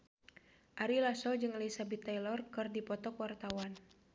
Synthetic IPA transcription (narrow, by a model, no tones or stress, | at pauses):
ʔaɾilasɔld͡ʒɨŋleisabit̪ajlɔrkɨrdipɔt̪ɔkwart̪awan